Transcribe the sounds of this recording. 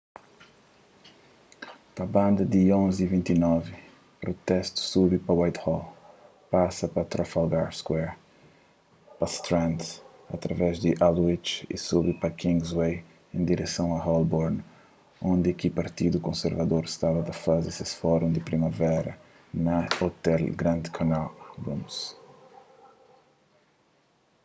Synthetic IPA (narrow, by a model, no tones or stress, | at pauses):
pɐbɐ̃nd̪ɐd̪iõnzivĩnt̪inɔvɪ | pɾot̪ɛst̪u̥suβipɐwajt̪hɔl | pasɐpɐt̪ɾafalɡaɾskwɛɾ | pɐst̪ɾãnt̪ | ɐ̰t̪ɾɐvɛzd̪ɪʔalwit͡ʃḭsuβipɐkʰĩŋɡzwej | ẽnd̪iɾɛsɐ̃w̃ɐhɔlbɔɾn | õnd̪ɪkɪpaɾt̪id̪ukõseɾvɐd̪oɾɪst̪avɐd̪ɐfazɪsesfɔɾũd̪ɪpɾimɐvɛɾɐ | nɐot̪ɛlɡɾɐ̃nd̪kʰanalbṵ̃ms